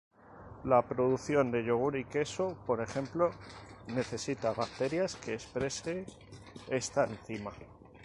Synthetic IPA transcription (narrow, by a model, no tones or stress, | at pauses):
lapɾo̞ðuθjo̞nd̪e̞ʎo̞ɣ̞uɾike̞so̞po̞ɾe̞xe̞mplo̞ne̞θe̞sit̪aβak̚t̪e̞ɾjaske̞ːspɾe̞se | e̞st̪aen̟θima